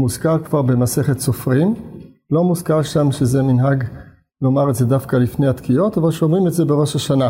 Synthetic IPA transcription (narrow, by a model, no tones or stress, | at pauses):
muzkaʁkvaʁbe̞maseχetsofʁim | lo̞muzkaʁʃamʃezeminɦaɡ | lo̞maʁetzedafkalifnejat̪kijo̞t̪avalʃomʁimetzebe̞ʁo̞ʃaʃana